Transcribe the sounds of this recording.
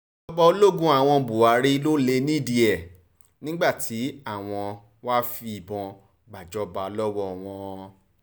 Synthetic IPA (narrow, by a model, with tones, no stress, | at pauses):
ɔ˦ba˧o˧˦lo˦ɡũ˦a˨w̃ɔ̃˧bu˨wa˨˧ɾi˦lo˦le˧nĩ˦˨di˨ɛ˨ | nĩ˦ɡ͡ba˦˨tʰi˨˦a˦˨w̃ɔ̃˧ | wa˦fi˧i˦˨bɔ̃˧ | ɡ͡ba˨d͡ʒɔ˦ba˧lɔ˦wɔ˦˨w̃ɔ̃˧